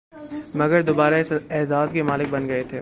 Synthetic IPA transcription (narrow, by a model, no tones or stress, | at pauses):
mɐɡəɾd̪oːbaːɾaɪsɛɦzaːzkemaːlɪk̚bɐnɡɐet̪ʰeː